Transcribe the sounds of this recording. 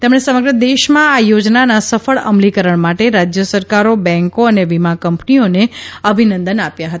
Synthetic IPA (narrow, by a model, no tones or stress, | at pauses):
t̪emɳ̃esəməɡɾəd̪eʃmãajod͡ʒnanasəfəɭə̰mlikəɾəɳ̃maʈeɾad͡ʒjəsəɾkaɾobɛ̃ŋkoəneʋimakəmpnioneəbʱinə̃nd̪ənapjaɦət̪aa